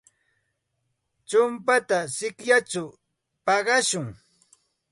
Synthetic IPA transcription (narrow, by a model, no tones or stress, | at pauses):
t͡ʃʊmpat̪asɪkjat͡ʃʊ | pɑɢɑʃʊŋ